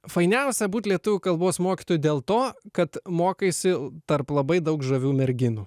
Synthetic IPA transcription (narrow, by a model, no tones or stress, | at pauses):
fɐɪnʲɛʊsʲɛbuːt̪ʲlʲiɛt̪ʊʋʲʊkɐlˠboːsmoːkʲi̥ːt̪oːjud̪ʲeːlˠt̪oːkɐt̪moːkɐɪsʲɪt̪ɐɾplˠɐbɐɪd̪ɐʊkʒɐʋʲuːmʲɛɾʲɡʲɪnuː